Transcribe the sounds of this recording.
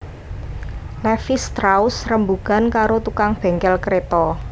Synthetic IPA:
lɛfɪst̪ɾaʊsrəmbuɡa̤nkaɾot̪ukaŋb̥ɛ̤ŋkɛlkɾet̪ɔ

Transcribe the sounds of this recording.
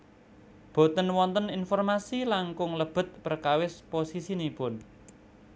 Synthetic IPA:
b̥o̤t̪ənwɔnt̪əninfɔrmasilaŋkʊŋləb̥ə̤t̪̚pərkawɪsposisinipʊn

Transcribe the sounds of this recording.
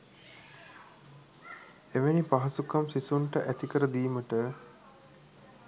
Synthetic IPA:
eʋenipaɦɐsukamsisuɳʈəʔæt̪ikəɾəd̪iːməʈə

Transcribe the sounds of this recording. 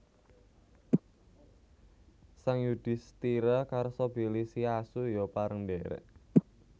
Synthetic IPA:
saŋjud̪̥ɪ̤st̪iɾakaɾsɔbilisiasujɔpaɾəŋdɛɾɛ̰ʔ

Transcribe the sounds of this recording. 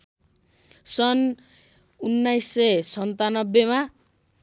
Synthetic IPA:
sʌn | unːajsːesʌnt̪anʌbːema

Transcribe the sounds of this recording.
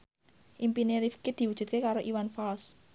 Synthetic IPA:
ʔimpineɾifkɪd̪̥i̤wud̥ʒ̥ṳt̪̚kekaɾoʔiwanfals

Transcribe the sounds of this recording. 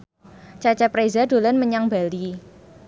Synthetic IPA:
t͡ʃat͡ʃapɾezadolanməɲaŋbali

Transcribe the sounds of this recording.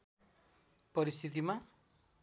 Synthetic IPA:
pɔɾist̪ʰit̪̬imã

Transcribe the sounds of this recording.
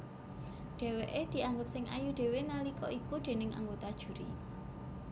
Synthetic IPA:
ɖ̥e̤weʔed̪̥i̤ʔaŋɡʊp̚sɪŋʔa̰juɖ̥e̤wenalikɔʔikud̥e̤nɪŋʔa̰ŋɡot̪ad̥ʒ̥ṳɾḭ

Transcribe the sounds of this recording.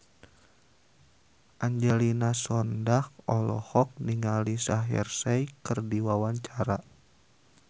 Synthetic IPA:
ʔaɲd͡ʒɛlinasɔndahɔlɔ̰hɔk̚niŋalisaɦḭrsajkərdiwawaɲt͡ʃaɾa

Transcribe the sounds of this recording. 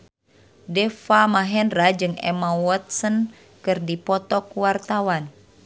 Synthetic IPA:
dɛfamaɦɛnrad͡ʒɨŋɛ̰mawɔt̪̚sən | kɨrdipɔt̪ɔkuwart̪awan

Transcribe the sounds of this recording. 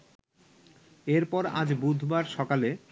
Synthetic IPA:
eɾpɔɾa̰d͡ʑbud̪ʱbaɾʃɔkale

